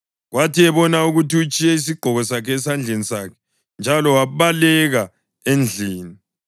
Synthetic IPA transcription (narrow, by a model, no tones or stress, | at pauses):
ɣwʔatiɛβɔnauɣutiut͡ʃʼiɛis̬iɡ͡ǃʱɔɣɔsakʰɛːsand͡ɮʱenisaːkʰɛ̥ | nd͡ʒʱalɔwaβalɛɣa | end͡ɮʱiːni